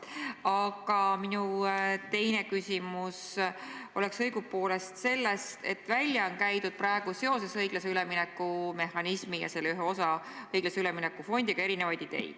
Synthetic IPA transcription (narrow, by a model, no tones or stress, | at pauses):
ɑɡ̥ɑminut̪e̞jne̞kysʲimus | o̞̰le̞ksɤ̞jɡ̥upːo̞ːle̞st̪se̞lːest̪e̞̰t̪ːˑvælʲjɑonkæjt̪ud̪̥̚prɑe̞ɡ̥use̞o̞se̞sɤjɡ̥lɑse̞yleminɛkˑːume̞hɑnismijɑ̰se̞lːeyɦeo̞sɑ | ɤjɡ̥lɑseyleminekːˑufo̞nʲd̪iɡ̥ɑe̞ɾinevɑjd̪̥id̪̥e̞̰jd̪̥